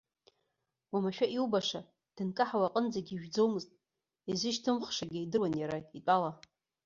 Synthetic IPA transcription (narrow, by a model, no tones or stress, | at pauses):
wamaʃᶣaʔiwbaʂa | d̥ɨnkʼaħawaqʼənd͡zaɡʲiːʒᶣd͡zo̞wmɨztʼ | izɪʃtʰɨmχʂaɡʲɪidɨrwanjaɾait͡pʷʼala